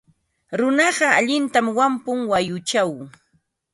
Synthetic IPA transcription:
ɾʊnɑɢɑaʎɪnt̪amwampʊŋwajʊt͡ʃaw

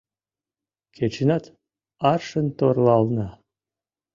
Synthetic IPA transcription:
kʲʰet͡ɕenɑt̪ | ɑrʃənt̪orlˠɑlˠnɑ

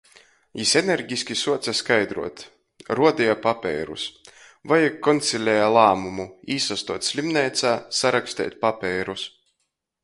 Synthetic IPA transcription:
jiseneɾɡʲisʲkʲisuɔt̪saskajd̪ɾṵɔt̪ | ɾuɔd̪ɛjapapʲɛ̰ːɾṵs | vajakːɔnt̪sʲilʲɛjalˠaːmumuiːsast̪uɔt̪ʲsʲlʲimnɛːt̪saːsaɾakst̪ɛ̰ːt̪̚ʲpapʲɛːɾus

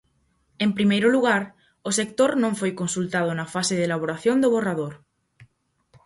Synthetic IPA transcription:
empɾimejɾʊluɣ̞aɾ | osekt̪oɾnõɱfojkonsult̪að̞onafaseðelaβoɾaθjõnd̪oβ̞oraðoɾ

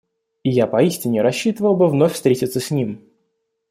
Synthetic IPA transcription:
ɪjapɐisʲtʲɪnʲɪɾɐɕːit̪əvəlˠbɨvnofʲfst̪ɾʲetʲɪt̪səsʲnʲim

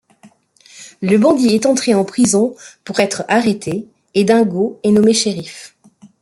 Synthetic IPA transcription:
ləbɑ̃d̪iɛt̪ɑ̃t̪χeɑ̃pχizɔ̃puʁɛt̪χaʁet̪ʰeː | d̪ɛ̃ɡoɛnɔmeʃeʁif

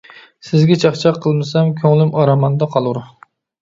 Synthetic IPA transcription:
sɪzɡʲɛt͡ʃʰɑχt͡ʃʰɑqʰːəlˠmɨsɛmkʲʰøŋlɪmɑɾɑmɑnd̪ɑqʰɑlˠuɾʊ

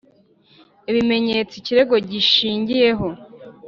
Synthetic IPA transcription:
iβime̞ɲe̞ːt͡siciɾe̞ɡo̞ɟiʃiːɲɟije̞ɦo̞

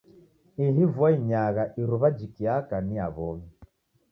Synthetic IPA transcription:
iɦivwaiɲaɣaʔiɾuβad͡ʒikiakania̰βɔmi

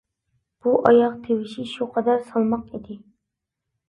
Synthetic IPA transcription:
b̥uʔɑjɑqt̪ʰewɪʃiʃuqʰɑd̪ɑɾsɑlˠmɑqid̪ɪ

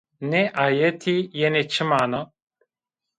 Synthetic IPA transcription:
neʔaːjet̪ʰijenet͡ʃʰɨmaːna

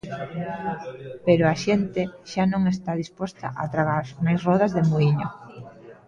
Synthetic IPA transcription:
peɾʊaʃent̪ɪʃanõŋest̪að̞ispɔst̪a̰ʔa̰t̪ɾaɣaɾmajsrɔð̞azðemuiɲo

